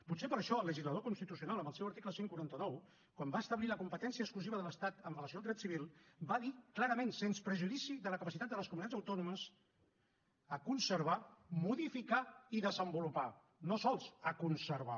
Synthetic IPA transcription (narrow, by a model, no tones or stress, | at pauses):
put̪sepəɾəʃɔəlːəʒizləð̞okunst̪it̪usiunaləmbəlˠsɛwəɾt̪ikləseŋkuɾant̪ənɔw | kwambaəst̪əβliləkumpət̪ɛnsiəkskluziβəðələst̪at̪ənrələsioalˠd̪ɾɛt̪siβilˠbaðiklaɾəmensenspɾəʒuðisiðələkəpəsit̪at̪̚d̪ələskumunit̪ad͡zzəwt̪ɔnuməz | əkunsəɾβ̞amuðifikaiðəzəmbulupa | nosɔlˠzəkunsəɾβa